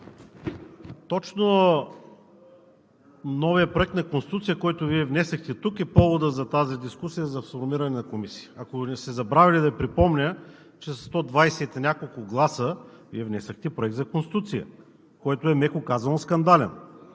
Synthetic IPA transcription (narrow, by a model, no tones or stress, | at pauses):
t̪ɔt͡ʃno | nɔviəpɾoɛk̚t̪nɐkonst̪ʲit̪ut̪sijəkɔjt̪ʊviɛvnɛsɐxt̪ɛt̪ukɛpɔvod̪əzɐt̪azid̪iskusijəzɐfsoɾmiɾɐnɛnɐkomisi̥jəɐkosɛzɐbɾavʲilid̪ɐpɾipɔmnʲə | t͡ʃɛsst̪ɔd̪vajsɛt̪nʲakolˠkʊɡlˠasə | viɛvnɛsɐxt̪ɛpɾoɛk̚t̪zɐkõnsi̥t̪ut̪sijə̰ | kɔjt̪oɛmɛkʊkazɐnoskɐnd̪alɛn